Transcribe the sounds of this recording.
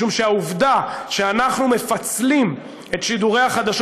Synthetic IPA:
umʃeauvd̪aʃeanaχnume̞fat͡slim | e̞t̪ʃid̪uʁeaχad̪aʃ

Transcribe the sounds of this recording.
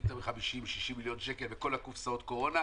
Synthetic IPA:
t̪ameχamiʃimʃiʃimːiljo̞nʃekelveko̞lakufsaot̪ko̞ʁo̞na

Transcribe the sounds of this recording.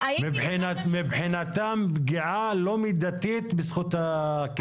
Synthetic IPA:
bħinmibħinat̪ambɡiʕalomid̪at̪it̪besχut̪ak

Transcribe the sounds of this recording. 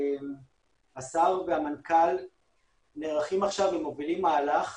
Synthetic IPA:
m | asaʁveamankal | neʁaχimaχʃavimovilimːaːlaχ

